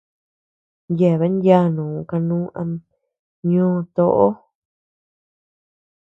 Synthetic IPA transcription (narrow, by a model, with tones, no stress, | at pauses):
nje˨βe˨˦ndja˦nũː˨ka˧nũː˦ʔã̰˧ | ɲõː˦˧t̪o˧ʔo˦